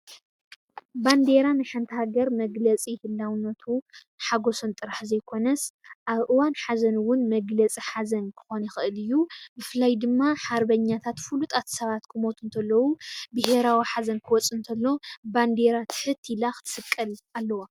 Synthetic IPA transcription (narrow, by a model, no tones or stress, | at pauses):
band̪e̞ɾanɨħant̪ʰɐhaɡɐɾmɐɡlɐt͡sʼihɨlːawnːɐt̪ʰunħaɡo̞sont̪ʼɨɾaħzɐjkʰo̞nɐsʔaβʔɨwanħazɐnwʊnmɐɡlɐt͡sʼiħazɐnkʰɨ̥xonixɨʔɨlɨjːubɨfɨlajd̪ɨmːaħaɾbɐɲːat̪ʰat̪fulut̪ʼat̪ʰsɐβat̪kʰɨmo̞t̪ʰunt̪ʰɐlːɐwubɨhe̞ɾawiħazɐnkʰɨwɔt͡sʼɨnt̪ʰɐlːo̞band̪e̞ɾat̪ʰɨ̥ħɨt̪ʰːilaxɨ̥t̪ʰɨ̥sɨkʼːɐlalːɐwa